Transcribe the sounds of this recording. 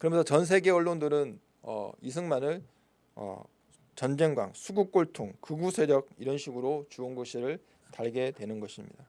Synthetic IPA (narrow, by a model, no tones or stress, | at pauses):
kɯɾʌmensʰʌt͡ɕʌns̬ʰe̞ɡe̞ʌɭːondɯɾɯn | ʌ̰isʰɯŋmanɯɭ | ʌ̰ | t͡ɕʌnd͡ʑe̞ŋɡwa̰ŋsʰuɡuk͈̚oɭtʰoŋkɯɡusʰe̞ɾjʌɡ̚iɾʌnɕʰiɡɯɾot͡ɕuʌnɡoɕʰiɾɯɭ | taɭɡe̞dwe̞nɯnɡʌɕʰimɲḭda